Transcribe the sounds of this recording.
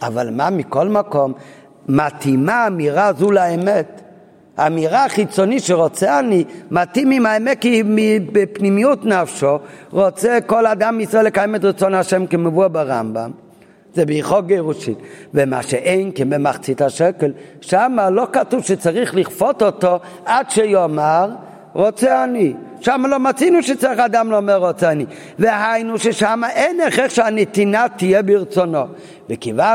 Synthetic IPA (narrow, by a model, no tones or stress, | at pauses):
a̰va̰lˠmamikɔlˠmakom | matʰimaːmiʁazulaɛmɛt | amiʁaːχit͡sɔniʃeʁɔt͡sɛanimatimimaɛmɛt̚kimibɪpnimijutnafʃoʁɔt͡sɛkoladamːɪisʁɔelɪkajɛmɛt̬ʁit͡sɔnhaʃɛmkɪməvuabaʁa̰mba̰m | zɛbɪiχɔɡeʁuʃitvema̰ʃɛʔejnkɛnbɪmaχt͡sithaʃɛkɛlʃamalokatuvʃet͡saʁiχliχfɔtɔto | adʃejɔmaʁ | ʁɔt͡sɛaniʃamalomat͡sinuʃet͡saʁiχadamlomɛʁɔt͡sɛani | vehajnuʃeʃamaʔejnɛχɛχʃeanitinat̪ijɛbɪʁt͡sono | vɪkiva